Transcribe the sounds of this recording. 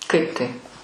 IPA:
ˈkɐɪp tɐɪp

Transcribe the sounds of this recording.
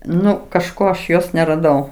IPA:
ˈnʊ kɐʃˈkoː ɐʃ ˈjoːs nʲɛrɐˈdɐʊ

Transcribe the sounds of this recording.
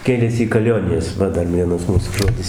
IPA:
ˈkʲeːlʲeːsʲɪ iː kɐˈlʲoːnʲɪjɛs ˈʋɐ ˈdɐr ˈʋʲiɛnɐs ˈmuːsʊ ˈʒoːdʲɪs

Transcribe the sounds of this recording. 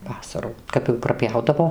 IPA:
ˈʋɑːsɐruː ˈkɐp jɛʊ prɐˈpʲjɛʊdɐʋoː

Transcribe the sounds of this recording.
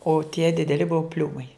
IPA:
oː tʲiɛ dʲɪdʲɛˈlʲɪ ˈbʊʋoː ˈpʲlʲuːmɐɪ

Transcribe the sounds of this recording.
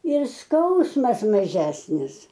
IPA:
ɪr ˈskɐʊsmɐs mɐˈʒʲæːsʲnʲɪs

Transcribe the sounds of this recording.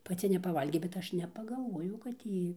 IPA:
pɐˈt͡sʲɪ nʲɛpɐˈʋɐlʲɡʲeː bʲɛt ˈɐʃ nʲɛpɐɡɐlˠˈʋoːjɛʊ kɐt ˈjiː

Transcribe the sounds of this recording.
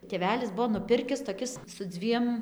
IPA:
tʲeːˈʋʲæːlʲɪs ˈbuɔ nʊˈpʲɪrʲkʲɪs toːˈkʲɪs sʊ ˈd͡zʲʋʲiɛm

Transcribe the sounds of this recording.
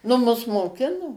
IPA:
nʊ ˈmʊs moːˈkʲɪnoː

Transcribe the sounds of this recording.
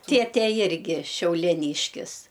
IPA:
ˈtʲeːtʲeː ˈjɪrʲɡʲɪ ʃʲɛʊlʲiɛˈnʲiːʃʲkʲɪs

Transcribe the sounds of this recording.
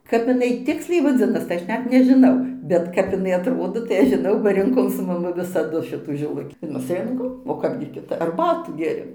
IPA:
kɐp ɪˈnɐɪ ˈtʲɪksʲlʲɛɪ ʋɐˈd͡zʲɪnɐs tɐɪ ˈɐʃ ˈnʲɛt nʲɛʒʲɪˈnɐʊ bʲɛt ˈkɐp ɪˈnɐɪ ɐtˈroːdoː tɐɪ ˈɐʃ ʒʲɪˈnɐʊ bɐ rʲɪŋˈkoːm sʊ mɐˈmʊ ʋʲɪsɐˈdʊ ˈʃʲɪtuː ʒʲɪˈlˠʊkʲiː mʲɛs ˈrʲɪŋkoːm oː ˈkɑːbʲɡʲɪ kʲɪˈtɐp ɐrˈbɑːtuː ˈɡʲeːˈrʲeːm

